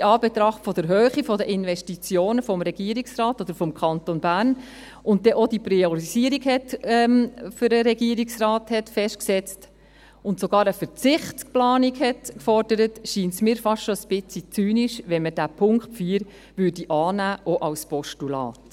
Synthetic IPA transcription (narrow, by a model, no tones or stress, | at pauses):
iɑːbetɾɑχtfɔd̥əɾɦøːχifɔdəʔɪnvɛʃtit͡sjoːnəfɔmɾɛɡ̥iəɾiksrɑːtod̥̪əɾfɔmkʰɑntonbæːɾn | ʔʊnt̚dɛʔod̥ipɾiɔɾiziəɾiɡhɛtɛmføɾəɾɛɡiəɾiksrɑːthɛtfɛʃtksɛt͡st | ʊntsoɡɑːɾəfəɾt͡sɪχt͡skplɑːnikhɛtkfɔrd̥əɾətʃiːntsmiːɾfɑʃtʃɔəsb̥ɪt͡sit͡syːniʃʋɛnməd̥æpʰʊŋkχpfiːɾ | ʋʏːrdiʔɑːnæːʔɔʔɑlspɔʃtulɑ̰ːt